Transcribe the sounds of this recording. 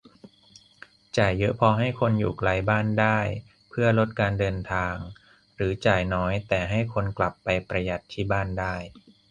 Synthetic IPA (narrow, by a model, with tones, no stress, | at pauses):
t͡ɕaː˨˩jːɤ˦˥ʔpʰɔː˧ɦa˥˩jkʰo˧njṵː˨˩kla˧jbaː˥˩ndaː˥˩j | pʰɯ˥˩ɐlo˦˥t̪̚kaː˧ndɤː˧nt̪ʰaː˧ŋ | ɾɯː˩˦t͡ɕaː˨˩jnɔː˦˥jt̪ɛː˨˩ɦa˥˩jkʰo˧nkla˨˩pːa˧jpɾa˧ja˨˩t̪ʰːiː˥˩baː˥˩ndaː˥˩j